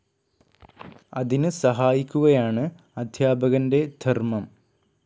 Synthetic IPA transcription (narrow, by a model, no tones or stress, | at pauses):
ɐðinɨsɐɦaːjikʲːuɣɐjaːɳɨ | ɐd̪ʱjaːbɐɣɐnde̞d̪ʱɐrmɐm